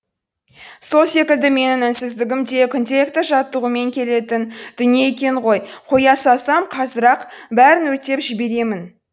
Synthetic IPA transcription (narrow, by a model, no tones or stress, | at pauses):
so̞lˠse̞kʲɪld̪ɪme̞nɪŋɪnsɪzd̪ɪɡʲɪmt̪ekʲʰʏnt̪e̞kt̪ɪʒɑt̪ːəʁəme̞ŋkʲʰe̞le̞t̪ɪnd̪̥ʏnijeekʲe̞ɴʁo̞jqʰojɑsɑsɑmqʰɑzəɾɑqbæɾɪnwɵt̪e̞pʒɪbe̞ɾe̞mɪn